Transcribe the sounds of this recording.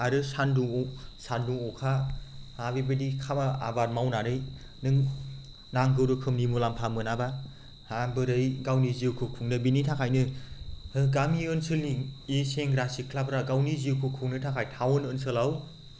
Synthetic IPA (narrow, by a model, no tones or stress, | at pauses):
aɾɯsanduŋsanduŋɔkʰahabibɯdikʰabaa̰baɾmawnaɾɯj | nɯŋ | naŋɡɯwɾɯkʰɯmnimulampʰamɯnaba | habɯɾɯjɡawniziɯwkʰɯkʰuŋnɯbinitʰakʰajnɯ | ɯɡamiɯnsɯlniiseŋɾasikʰlapɾaɡawniziwkʰɯkʰuŋnɯtʰakʰajtʰawɔnɯnsɯlaw